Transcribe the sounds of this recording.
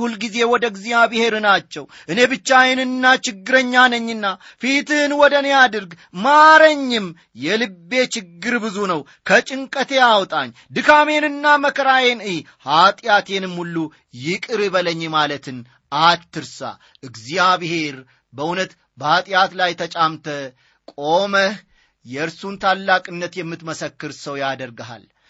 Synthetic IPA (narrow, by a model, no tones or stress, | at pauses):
hulɡize̞wɔd̪əɨɡzijaβihe̞ɾɨnat͡ʃːɛw | ʔɨne̞bɨt͡ʃːajɛnɨnːat͡ʃɪɡːɨɾəɲːanəɲːɨnːa | fit̪ɨnwɔd̪ənjad̪ɨɾɡ | maɾəɲːɪm | jɛlɨbːe̞t͡ʃɪɡːɨɾbɨzunəw | kʰət͡ʃʼɪŋkʼət̪ʰe̞awt̪ʼa̰ɲː | d̪ɨkame̞nɨnːaməkʰəɾajenɨj | hat̪ʼɪjat̪jenɨmhulːu | jɪkʼɨɾɨβələɲːmalət̪ʰɨn | at̪ʰːɨɾsa̰ | ʔɨɡzijaβɨhe̞ɾ | bəʔunət̪ | bəhat̪ʼjat̪lajt̪ʰət͡ʃʼamt̪ʰə | kʼo̞məh | jɛɨɾsunt̪ʰalːakʼɨnːət̪jɛmːɨt̪məsəkːɨɾsəwjad̪əɾɡaɦa̰l